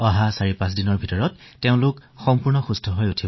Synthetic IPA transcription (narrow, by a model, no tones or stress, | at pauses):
ɔɦasaɹipãsdinɔɹbʱitɔɹɔtːeʊ̃lʊkxɔmpuɹnɔxustʰɔɦɔjutʰi